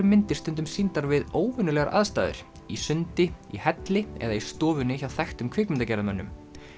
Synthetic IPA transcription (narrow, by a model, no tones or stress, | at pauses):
ʏmɪnt̪ɪ̥st̪ʏnt̪̬ʏmsint̪aɾvɪðoːwvʏnʏlɛːɣaɾʔa̰ðst̪aːðɪ̰ɾ̥ | isʏnt̪ɪihɛt̪lɪɛ̰ðaist̪ɔːvʏnɪçawθɛxt̪ʏmkʰvɪːkmɪnt̪acɛːɾðamœnːʏ̰m